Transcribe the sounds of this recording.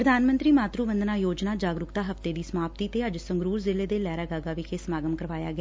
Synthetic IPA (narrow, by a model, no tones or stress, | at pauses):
pɾəd̪aːnmənt̪ɾiːmaːt̪ɾuːʋənd̪naːjoːd͡ʒnaːd͡ʒaːɡɾʊkt̪aːɦəft̪eːd̪iːsəmaːpt̪iːt̪eːəd͡ʒsəŋɡɾuːɾzɪleːd̪eːlɛːɾaːɡaːɡaːʋɪkʰeːsəmaːɡəmkəɾʋaːja̰ːɡɪaː